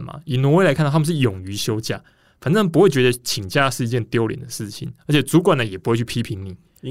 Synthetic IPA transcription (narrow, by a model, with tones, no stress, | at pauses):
ma̰˨˩i˨˩nwɔ˧˥we˥˨a˧˥ɪkʰa˥˧˥m̩˨˦ʂɻ̩˥˩jʊ˨˩ŋy˧˥ɕjo˥ʊt͡ɕja̰˥˩ | fa˨˩nt͡sə˥˧˦p̬u˧xwe˥˩t͡ɕɥɛ˧d̪ə˧t͡ɕʰi˨˩ŋt͡ɕja˥˧ʂɻ̩˥˩i˧˦t͡ɕjɛ˥˧nt̪jo˥ʊljɛ̰˨˩nd̪ə˨ʂɻ̩˥˩t͡ɕʰḭ˨˩˦nə˧˥t͡ɕʰjɛ˨˩t͡su˧˥kwa˨˩nə˩jɛ˨˩pu˧˥xwt͡ɕʰy˥˧pʰi˦˥pʰi˨˥˦ŋni˨˩˦